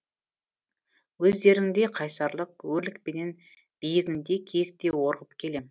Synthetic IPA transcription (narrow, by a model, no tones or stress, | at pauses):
wɵzd̪e̞ɾɪŋd̪e̞qʰɑjsɑɾlˠəq̚wɵɾlɪkpe̞ne̞n | b̥ijɪɡʲɪnd̪e̞kʲʰek̚t̪e̞wo̞ɾʁəpkʲʰe̞le̞m